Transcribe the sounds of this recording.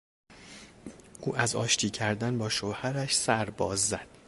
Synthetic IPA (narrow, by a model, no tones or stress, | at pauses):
ʔuːʔæzɒ̰ːʃt̪ʰiːcʰæɾd̪ænbɒːʃohæɾæʃsæɾbɒːzːæd̪̥